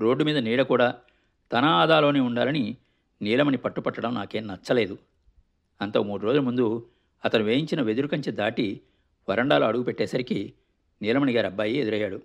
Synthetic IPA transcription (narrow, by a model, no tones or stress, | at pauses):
ɾo̞ːɖːumiːd̪ɐniːɽɐkuːɽaː | t̪ɐnɐaːd̪aːlo̞ːneːuɳɖaːlɐni | niːlɐmɐnipɐʈːupɐʈːɐɽɐmnaːke̞ːnnɐt͡ʃːɐle̞ːd̪u | ɐnt̪oːmuːɽuɾo̞ːd͡ʒuɐmund̪u | ɐt̪ɐnuʋeːjiɲt͡ʃinɐʋe̞d̪uɾukɐɲt͡ʃed̪aːʈi | ʋɐɾɐɳɖaːloːɐɽuɡupeʈːɛːsɐɾiki | niːlɐmɐniɡaːɾiɐbːaːjied̪uɾɐjːaːɽu